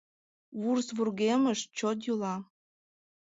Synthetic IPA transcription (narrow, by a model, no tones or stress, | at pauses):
βursβurɣeməʃt͡ɕot̪̬julɑ